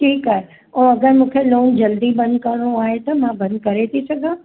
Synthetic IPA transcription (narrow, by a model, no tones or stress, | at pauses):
ʈʰiːkaːɦe | ɛ̃ːɐɡəɾmũːkʰeloːnd͡ʑɐld̪ibɐ̃nd̪̚kɐɽɽ̃oaːɦet̪ɐmãbɐ̃nd̪̚kɐɾet̪ʰisɐɡʱãː